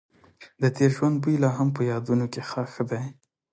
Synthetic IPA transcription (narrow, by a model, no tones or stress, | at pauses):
d̪ət̪eɾʒwand̪̚bujlɑɦampəjɑd̪unokexɑxəd̪aj